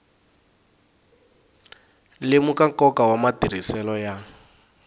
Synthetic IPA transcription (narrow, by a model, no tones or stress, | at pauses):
lɪmukakɔkawamatiɾ̤isɛlɔja